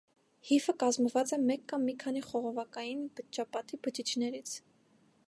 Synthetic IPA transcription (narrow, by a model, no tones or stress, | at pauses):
hifəkɑzməvɑt͡sɛmɛkːɑmːikʰɑniχɔʁɔvɑkɑjinbət͡ʃːɑpɑt̪ibət͡ʃit͡ʃʰnɛɾit͡sʰ